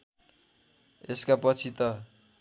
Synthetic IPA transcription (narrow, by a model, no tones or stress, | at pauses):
eskapʌt͡sʰit̪ʌ